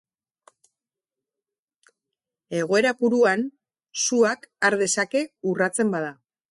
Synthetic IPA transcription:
e̞ɣ̞o̞e̞ɾapuɾuan | suakaɾðe̞sake̞urat͡se̞mbaða

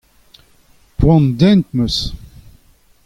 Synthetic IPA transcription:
pwɑ̃nd̪ɛ̃nt̪məs

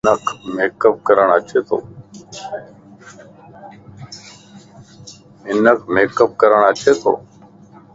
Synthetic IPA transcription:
nəkʰmeːkəp̚kəɾəɳ̃aːt͡ʃʰeːt̪o̰ː | ɪnəkʰmeːkəp̚kəɾəɳaːt͡ʃʰeːt̪o̰ː

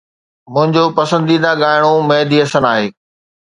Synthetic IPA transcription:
mʊ̃ɦɪ̃ɲd͡ʑoːpɐsə̃nd̪iːd̪aɠaːɪɽ̃omɛːd̪iɐsənaːɦeː

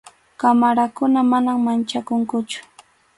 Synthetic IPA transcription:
kamaɾakʊnamanaŋmant͡ʃakʊŋkʊt͡ʃʊ̥

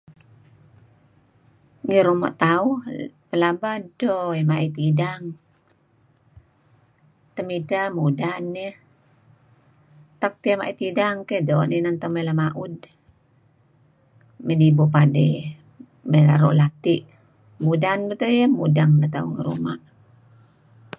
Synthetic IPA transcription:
ŋəɾuma̰ʔt̪auhpəlabadoemaʔit̪idaŋ | t̪əmidamudanːɛh | t̪ak̚t̪iamaʔit̪idaŋkehdoʔninaŋt̪amelamaʔud | mənibopade | melaɾo̰ʔlat̪iʔ | mudanbət̪əjəmudaŋnat̪auŋə̰ɾṵma̰ʔ

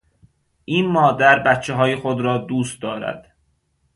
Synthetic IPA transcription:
ʔiːnmɒːd̪æɾbæt̪t͡ʃʰːeɦɒːjexod̪ɾɒːd̪uːst̪̚d̪ɒːɾæ̰d̪̥

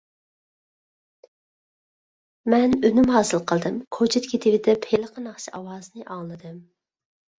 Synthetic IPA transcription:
mɛnønymhɑːsɨlˠqʰəlˠd̪ɨmkʰot͡ʃʰɪt̪kʲʰit̪ʰiwɪd̪ɛpʰelˠəqʰənɑχʃʰiʔɑwɑːzɨnɨʔɑŋlˠɨd̪ɨm

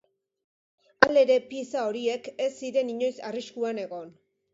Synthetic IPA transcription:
ale̞ɾe̞piesao̞ɾie̞ke̞sːiɾe̞niɲo̞jsariskuane̞ɣo̞n

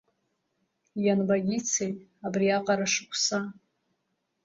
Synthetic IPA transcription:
janbaɡʲit͡sʰejtʼabriaqʼaɾaʂɨkʷʰʼsa

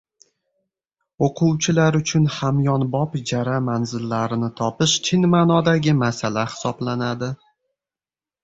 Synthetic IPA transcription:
oqʰʊwt͡ʃʰɪlaɾʊt͡ʃʰʊnhamjɒnbɒpd͡ʒaɾamanzɪlːaɾɪnɪt̪ʰɒpɪʃt͡ʃʰɪnmaːnɒd̪aɡʲɪmasalahɪ̥sɒblanad̪ɪ

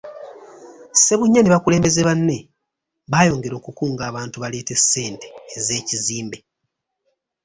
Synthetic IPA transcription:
se̞βuɲːaneβakule̞ːmbe̞zeβanːe̞ | βaːjo̞ːŋɡe̞ɾo̞ːkukuːŋɡaːβaːntuβale̞ːte̞sːe̞ːnteːze̞ːciziːmbe̞

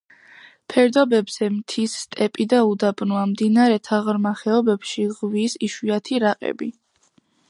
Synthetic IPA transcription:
pʰɛɾd̪ɔbɛbz̥ɛmt̪ʰisːt̪ʼɛpʼid̪aud̪abnuamd̪inaɾɛt̪ʰaʁɾmaχɛɔbɛbʃiʁvisiʃwiat̪ʰiɾaqʼɛ̰bi

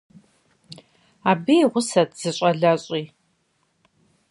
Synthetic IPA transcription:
aːbijʁʷʊsɐtʰz̥ɨɕʼɐɮɐɕʼiː

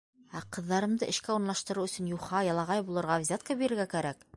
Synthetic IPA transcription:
æqɤ̆ðːɑɾɤ̆md̪ɤʔɘ̆ʃkæuɾnˠɑʃt̪ɤ̆ɾɤwɵ̆sɵ̆njuχɑjɑlˠɑʁɑjbulˠɤ̆ɾʁɑvzʲat̪̚kɑbiɾɘ̆ɾɡækæɾæk

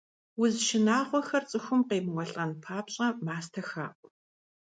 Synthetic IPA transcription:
wʊzʃɪnaːʁʷɔxɐrt͡sʼɨxʷʊmqeːbŋʷɔɬʼɐnpʰaːpɕʼɐmaːstʰɐxa̰ːʔʷ

